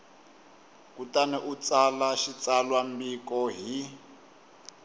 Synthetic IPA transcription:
kutaniʔut͡salaʃit͡salwambikɔɦi

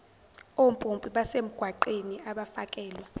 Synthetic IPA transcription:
ompʼompʼiɓasem̩ɡ̥ʱwaǃeniaɓafakʼɛːlwa

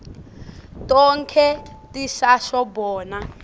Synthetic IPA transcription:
tɔŋkʰɛtiʃaʃɔbɔːna

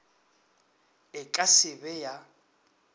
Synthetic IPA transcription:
ɪkʼasɪbɛja

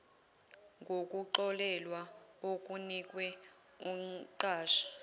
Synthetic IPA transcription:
ŋɡʱokʼuǃɔlɛlwaok̬ʼunik̬ʼwɛ | uǃaːʃḁ

